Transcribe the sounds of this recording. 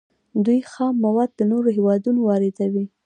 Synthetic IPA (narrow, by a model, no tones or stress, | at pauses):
d̪ujxɑmːawɑd̪̚ːənoɾoɦewɑd̪unowɑɾɪd̪awi